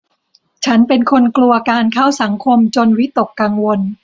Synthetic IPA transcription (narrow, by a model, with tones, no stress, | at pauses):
t͡ɕʰa˦˥npe˧nkʰo˧nklu˧ɐkaː˧nkʰa˥˩wsa˩˦ŋkʰo˧mt͡ɕo˧nwi˦˥t̪o˨˩kːaː˧ŋwo˧n